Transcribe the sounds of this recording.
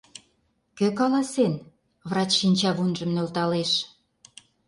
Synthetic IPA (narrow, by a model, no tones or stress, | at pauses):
køkɑlɑsen | vrɑt͡ɕʃinʲt͡ɕɑβunʒə̆mnølt̪ɑleʃ